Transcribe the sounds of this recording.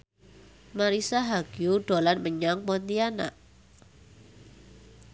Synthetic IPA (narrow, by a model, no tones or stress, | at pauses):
maɾisaɦaɡ̥iuɖ̥olanməɲaŋmɔnt̪iana̰ʔ